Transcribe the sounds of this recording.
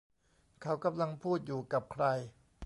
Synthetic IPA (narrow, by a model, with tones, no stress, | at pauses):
kʰa˦˥wka˧mla˧ŋpʰuː˥˩t̪̚juː˨˩ka˨˩p̚kʰɾa˧j